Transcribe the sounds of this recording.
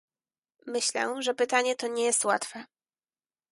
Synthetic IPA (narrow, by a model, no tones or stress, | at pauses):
mɘɕlɛ̰ʐɛpɘt̪aɲɛt̪ɔɲɛjɛst̪wat̪fɛ